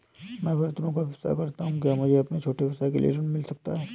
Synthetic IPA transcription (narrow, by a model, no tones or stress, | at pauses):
mɛ̃ːbʱɐɾt̪ɾõkaʋɪsa̰kɐɾt̪aɦũkjaːmʊd͡ʒʱeɐpnet͡ʃʰoːʈeʋɪsaːekḛlḭḛd͡ʒɐnmɪlsɐk̚t̪aɦɛː